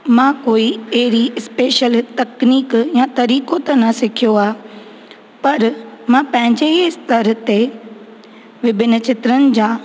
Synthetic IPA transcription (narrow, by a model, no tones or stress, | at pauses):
mãːkoːieɦɾiɪspeːʃəlt̪ɐkniːkjãt̪ɐɾiːkot̪ɐnɐsɪkʰijoaː | pɐɾmãːpɐ̃ɦɪ̃ɲd͡ʑeɪst̪ɐɾt̪e | ʋɪbʱɪnt͡ɕɪt̪ɾənɪ̆d͡ʑãː